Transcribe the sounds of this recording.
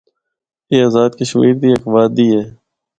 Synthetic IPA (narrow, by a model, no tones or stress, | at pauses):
eːaːzaːd̪keʃmḭːɾd̪iːəkʋaːd̪iːɦɛː